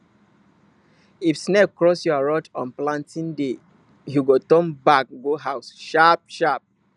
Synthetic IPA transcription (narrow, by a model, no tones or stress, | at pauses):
ifsnɛk̚kɹɔsjɔaɹɔtɔ̰̃nplãntĩnde | juɡotɔ̃mbak̚ɡoɦaʊsʃap̚ʃap̚